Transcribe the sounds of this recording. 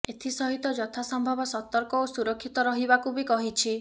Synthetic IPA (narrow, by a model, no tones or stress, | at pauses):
et̪ʰisɔɦit̪ɔd͡ʒɔt̪ʰasɔmbʱɔbɔsɔt̪ɔɾkɔosuɾɔkʰːit̪ɔɾɔɦibakubikɔɦit͡ʃʰi